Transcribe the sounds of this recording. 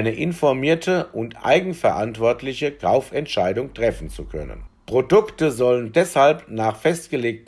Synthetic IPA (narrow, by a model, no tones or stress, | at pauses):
ɪnəʔɪnfɔɐmiːɐtʰəʔʊntʔa̰ɪɡŋ̩fɛɐʔantv̥ɔɐtʰlɪçəkʰaʊfɛntʃaɪdʊŋtʁ̥ɛfn̩t͡sukʰœ̰nə̰npʁ̥odʊktəzɔləndɛshalpnaːχfɛstɡ̥əleːk̚t